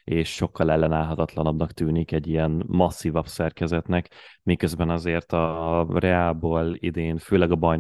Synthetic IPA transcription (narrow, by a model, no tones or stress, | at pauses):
eːʃːo̞kːɒlɛlːɛnaːlɦɒt̪ɒt̪lɒnɒbnɒkt̪yːnikɛɟːijɛnmɒsːivɒbsɛrkɛzɛt̪nɛkmikːøzbɛnɒzeːrt̪ɒrɛaːboːlḭd̪eːnføːlɛɡɒbɒjn